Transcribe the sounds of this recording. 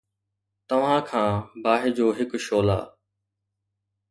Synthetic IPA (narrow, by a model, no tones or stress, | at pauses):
t̪ɐʋ̤ãːkʰãːbaːɦɪd͡ʑoːɦɪkʃoːla̰ː